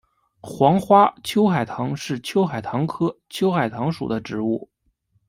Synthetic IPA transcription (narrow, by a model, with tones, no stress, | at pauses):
xwɑ˧˥ŋxwa˥t͡ɕʰjo˥ʊxa˨˩ɪt̪ʰɑ˧˥ŋʂɻ̩˥˩t͡ɕʰjo˥ʊxa˨˩ɪt̪ʰɑ˧˥ŋkʰɤ˥t͡ɕʰjo˥ʊxa˨˩ɪt̪ʰɑ˧˥ŋʂṵ˨˩d̪ə˦ʈ͡ʂɻ̩˧˥u˥˩